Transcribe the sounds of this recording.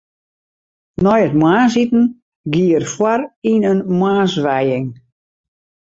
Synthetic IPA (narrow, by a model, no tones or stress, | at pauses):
nɔjətmwaːns̬itn̩ | ɡiərfwarinənmwaːsʋɛjɪŋ